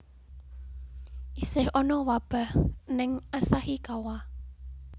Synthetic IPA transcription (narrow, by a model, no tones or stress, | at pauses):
ʔisɪhɔnɔwab̥a̤hnɪŋʔasahikawa